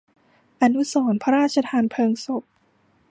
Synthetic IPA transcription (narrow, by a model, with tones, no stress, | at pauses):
ʔa˧nu˦˥sɔː˩˦npʰa˧ɾaː˥˩t̪̚t͡ɕʰa˧t̪ʰaː˧npʰɤː˧ŋso˨˩p̚